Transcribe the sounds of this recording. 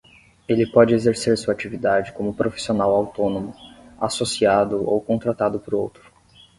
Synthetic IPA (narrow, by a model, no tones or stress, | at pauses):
elɪpɔd͡ʒɪezeɾseɾsuat͡ʃivid̪ad͡ʒɪkõmʊpɾofi̥sionawawt̪õnõmʊasosiad̪ʊo̰wkõnt̪ɾat̪ad̪ʊpʊɾowt̪ɾʊ̥